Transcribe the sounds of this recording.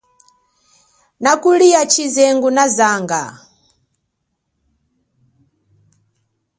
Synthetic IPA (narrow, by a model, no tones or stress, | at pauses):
nakuliat͡ʃʰizɛŋɡunazaːŋɡa̰